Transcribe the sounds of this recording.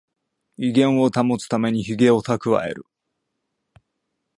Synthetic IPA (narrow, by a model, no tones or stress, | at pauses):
iɡẽ̞ɰ̃o̞t̪amot͡sɨ̥t̪ame̞ɲ̟içiɡe̞ot̪akɯ̟βa̰e̞̰ɾɯ̟̰